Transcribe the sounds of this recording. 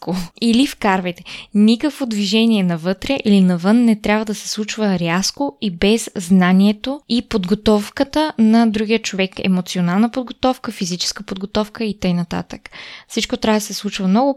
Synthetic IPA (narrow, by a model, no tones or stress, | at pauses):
koilifkaɾvɛjt̪ɛ̥nikəkvod̪viʒɛniɛnɐvɤt̪ɾɛʔilinɐvɤnːɛt̪ɾʲabvəd̪ɐsɛ̥slˠut͡ʃvəɾʲaskoibɛzznaniɛt̪oipod̪ɡot̪ɔfkət̪ənɐd̪ɾuɡijət͡ʃovɛkɛ̰mot̪sionalˠnəpod̪̚ɡot̪ɔfkəfizit͡ʃɛ̥skəpod̪̚ɡot̪ɔfkəit̪əjnɐt̪a̰t̪ə̥kfsit͡ʃkot̪ɾʲavəd̪ɐəsɛslˠut͡ʃvɐmnɔɡʊ